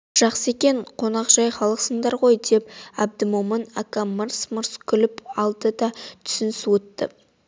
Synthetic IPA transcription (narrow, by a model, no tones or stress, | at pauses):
ʒ̥ɑqsəe̞kʲeɴqʰo̞nɑqʒ̥ɑjχɑlˠəqsəɴd̪ɑɾʁo̞jd̪e̞pæb̚d̪əmumɑnakaməɾsməɾskʲʰʏlɪpɑlˠd̪əd̪ɑt̪ʰʏ̥sɪnɪswɵt̪ːə̰